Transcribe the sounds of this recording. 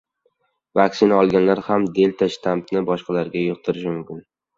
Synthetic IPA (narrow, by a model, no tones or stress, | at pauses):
vakʲsɪnaɒlˠɡʲanlaɾhamd̪e̞lt̪ʰaʃt̪ʰamt̪nɪbɒʃqɑlaɾɡʲajoqt̪ʰɪɾɪʃɪmʊmkʲɪn